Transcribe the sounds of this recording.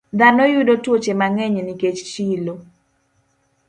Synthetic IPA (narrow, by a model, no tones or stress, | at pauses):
d̪anɔjʊdotwot͡ʃemaŋɛɲeniket͡ʃt͡ʃilo